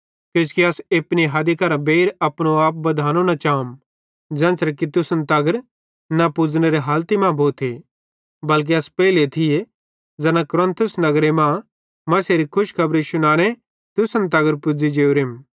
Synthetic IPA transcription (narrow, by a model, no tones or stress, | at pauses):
keskiɐsepniɦɐd̪ikɐɾabeːɾɐpɽ̃oaːp̚bɐd̪ʱaːnonat͡ʃaːm | d͡ʒɛ̃ːnsɾɛk̬it̪ʊsənt̪ɐɡəɾ | napʊd͡zñeɾeɦaːlt̪imãbʱoːt̪ʰe | bɐlk̬iɐspɛːɪlet̪ʰɪje | d͡zɐnãkʊɾə̃nt̪ʰʊsnɐɡɾemã | mɐseɾikʰʊʃkʰɐbɾeʃʊñaːɽ̃e | t̪ʊsənt̪̬ɐɡəɾpʊd͡zid͡ʒeːoɾem